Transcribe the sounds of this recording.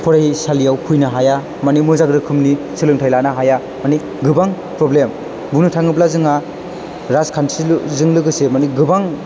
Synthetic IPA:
pʰɔɾaisalijawkʰujnaɦaja | manimɯzaɡɾɯkʰɯmni | sɯlɯŋtʰajlanaɦaja | mani | ɡɯbaŋ | pɾɔblem | buŋnɯtʰaŋɯblazɯŋa | ɾazkʰansizɯŋlɯɡɯsemaniɡɯbaŋ

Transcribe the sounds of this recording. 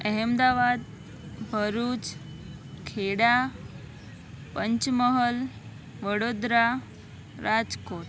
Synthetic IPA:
əɦemd̪aʋad̪ | bʱəɾuːt͡s | kʰeɽa | pəɲt͡ɕməɦəl | ʋəɽod̪ɾa | ɾad͡zkoʈ

